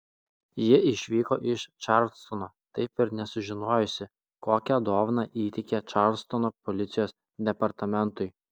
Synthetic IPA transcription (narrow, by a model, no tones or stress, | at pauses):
jɪɪʃʲʋʲiːkoːʔɪʃt͡ʃɑɾʲlʲst̪ɔnoːt̪ɐɪpɪɾnʲɛsʊʒʲɪnoːjʊsʲɪ | koːkʲɛd̪oːʋnɑʔiːt̪ʲɛkʲɛt͡ʃɑɾlʲst̪ɔnopɔlʲɪt̪sʲɪjoːs | d̪ʲɛpɐɾt̪ɐmʲɛnt̪ʊɪ